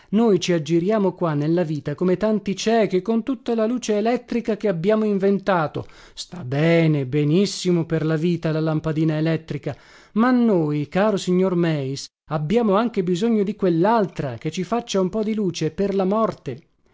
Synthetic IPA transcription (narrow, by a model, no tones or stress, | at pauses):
nojt͡ʃiad͡ʒːiɾjaːmokwanːelːaviːt̪akomet̪ant̪it͡ʃɛːk̟ikont̪ut̪ːalaluːt͡ʃeːlɛt̪ːɾikak̟eabːjaːmoiɱvent̪aːt̪o̰ | st̪abːɛːnebenisːimoperlaviːt̪alalampad̪iːnaelɛt̪ːɾika | manːoːjkaːɾosiɲːormɛis | abːjaːmoaŋk̟ebizoɲːod̪ikwelːalt̪ɾaket͡ʃːifat͡ʃːaumpɔd̪iluːt͡ʃeperlamɔrt̪e